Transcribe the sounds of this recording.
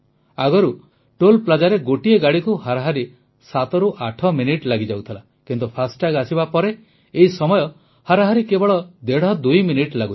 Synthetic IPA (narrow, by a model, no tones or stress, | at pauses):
aɡɔɾu | ʈolplad͡ʒaɾeɡoʈieɡaɽikuhaɾaɦaɾi | sat̪ɔɾuʔaʈʰɔminiʈlaɡid͡ʒawt̪ʰala | kint̪upʰasʈaɡasibapɔɾeː | isɔmɔjɔ | haɾaɦaɾikebɔɭɔd̪eɽ̤ɔd̪ujminiʈlaɡu